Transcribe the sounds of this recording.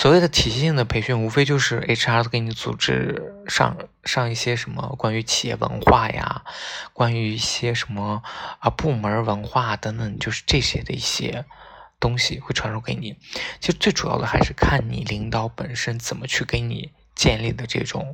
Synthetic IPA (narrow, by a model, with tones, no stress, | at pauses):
swɔ˨˩we˥˩ɪd̪ə˩t̪ʰi˨˩ɕi˥˩ɕi˥˩ŋd̪ə˩pʰe˧˥ɪɕy˥˩nu˧˥fe˥ɪt͡ɕjo˥˧ʊʂɻ̩˥˩ʔe˥ʈ͡ʂʰa˥˧ke˧˥ɪni˧˥t͡sṵ˨˩ʈ͡ʂɻ̩˥ʂɑ̰˥˧ŋʂɑ˥˧ŋi˥˩ɕjɛ˥ʂə˧˥mə̰˧kwa˥ny˧˥t͡ɕʰi˨˩jɛ̰˥˩wə̰˧˥nxwa˥˩ja̰˨˩kwa˥ny˧˥i˥˩ɕjɛ˥ʂə˧˥nmə˧ə˧pu˥˩mə˞˧˥wə˧˥nxwa˥˩t̪ə˧˥ŋt̪ə˨˩˦ŋt͡ɕjo˥˧ʊʂɻ̩˥˧ʈ͡ʂɤ˥˩ɕjɛ˥d̪ə̰˧ḭ˥˩ɕjɛ̰˥t̪ʊ˥ŋɕi˨we˥˩ɪʈ͡ʂʰwa˧˥nʂu˥ke˧˥ɪni˨˩˦t͡ɕʰi˧˥ʂɻ̩˧˥t͡swe˥˩ɪʈ͡ʂu˨˩jɑ̰˥˩ʊd̪ə˩xa˧˥ɪʂɻ̩˥˧kʰa˥˩nnḭ˨˩li˧˥ŋt̪ɑ˧˥ʊpə˨˩nʂə˥nt͡sə˨˩nmə˦t͡ɕʰy˥˩ke˧˥ɪnḭ˨˩˦ | t͡ɕjɛ˥˧nli˥˩d̪ə˩ʈ͡ʂɤ̰˥˩ʈ͡ʂʊ̰˨˩˦ŋ